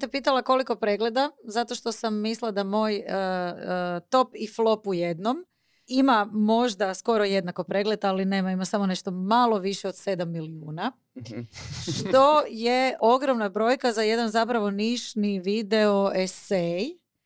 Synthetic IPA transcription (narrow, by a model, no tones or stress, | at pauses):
t̪epiːt̪alˠako̞liko̞pɾeːɡle̞d̪azat̪o̞ʃt̪o̞samːislˠad̪amo̞ːjə | t̪o̞piflˠo̞pujed̪no̞m | imamo̞ʒd̪asko̞ɾo̞je̞d̪nakopɾe̞ɡled̪aline̞ːmaimasamo̞ne̞ʃt̪o̞malo̞ʋiʃeod̪sed̪amːiliuːna | ʃt̪o̞jeʔo̞ɡɾo̞mnabɾo̞ːjkazaje̞d̪anzapɾaʋo̞niʒniʋid̪e̞oesej